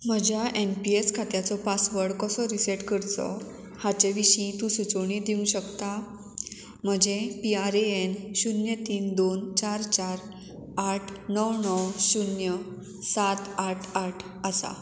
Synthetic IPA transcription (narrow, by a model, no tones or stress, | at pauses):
m̤əd͡ʑjaʔenpieskʰat̪jat͡sɔpasʋəɽkəsɔɾiseʈkəɾt͡sɔ̰ | hat͡ɕeʋiɕĩt̪ũsut͡soɽ̃ĩd̪iũɕəkt̪a | m̤əd͡ʑepiaɾeenɕunjət̪iːnd̪ont͡ɕaɾt͡ɕaɾ | aʈʰnəwnəwɕunjə | sat̪aʈʰaʈʰ | əsa̰